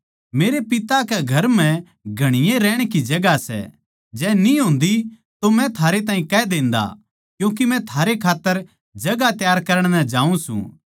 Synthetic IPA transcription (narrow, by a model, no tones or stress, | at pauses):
meːɾepɪt̪akɛɡʱɐɾm̤ɛ̃ | ɡʱɐɽ̃ɪjẽɾɛːɽ̃kid͡ʒɐɡasɛ̰ | d͡ʒɛːniɦõːnd̪i | t̪omɛ̃t̪ʰaːɾet̪ãːĩkɛd̪ẽːnd̪a̰ | kjũːk̬imɛ̃t̪ʰaːɾekʰaːt̪ːəɾ | d͡ʒɐɡat̪jaːɾkɐɾəɽ̃nɛd͡ʒaːũsṵ̃ː